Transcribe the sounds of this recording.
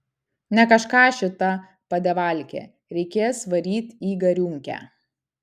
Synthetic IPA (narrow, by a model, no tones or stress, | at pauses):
nʲɛkɐʃkɑːʃʲɪt̪ɐ | pɐd̪ʲɛʋɐˑlʲkʲḛː | ɾʲɛɪkʲeːsʋɐɾʲiːt̪ʲiːɡɐɾʲuŋʲkʲæ̰ː